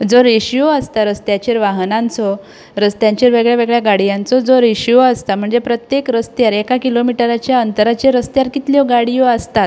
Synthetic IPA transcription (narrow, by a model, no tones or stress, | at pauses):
d͡zoɾeɕiɔəst̪aɾəst̪jat͡ɕiɾʋaɦnãnt͡sɔ | ɾəst̪jaɲt͡ɕiːɾʋeɡɭjaʋeɡɭjaɡaɽijãnt͡sɔd͡zoɾiɕijɔəst̪am̤əɳd͡zepɾət̪jekɾəst̪jaɾekakilomiʈəɾat͡ɕjaənt̪əɾat͡ɕeɾəst̪jaɾkit̪ljɔɡaɽijɔəst̪at̪̚